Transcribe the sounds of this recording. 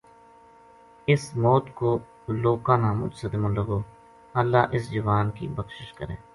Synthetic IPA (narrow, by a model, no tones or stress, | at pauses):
ɪsmɔːt̪koː | loːkãːnamʊ̰d͡ʒsəd̪ɪmõləɡoː | əlːa̰ːʔɪsd͡ʒʊʋaːnkḭːbəkʃɪʃkəɾḛ̃ː